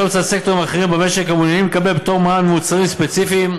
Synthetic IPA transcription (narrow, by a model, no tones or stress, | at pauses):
ot͡satsektoʁimaχeʁimbemeʃeχamunjanimlkabelbet̪o̞ʁmaanmemut͡saʁimspet͡sifim